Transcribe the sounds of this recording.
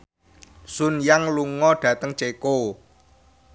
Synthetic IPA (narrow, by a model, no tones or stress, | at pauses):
sʊnjaŋluŋɔɖ̥ä̤t̪əŋt͡ʃeko